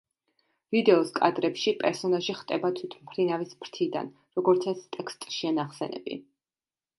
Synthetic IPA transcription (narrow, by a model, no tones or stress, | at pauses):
vid̪ɛɔskʼa̰d̪ɾɛpʃipʼɛɾsɔnaʒiχt̪ʼɛbat̪ʰwit̪ʰmpʰɾinavisbɾt̪ʰid̪a̰n | ɾɔɡɔɾt̪sʰɛst̪ʼɛkst̪ʼʃianaχsɛnɛ̰bḭ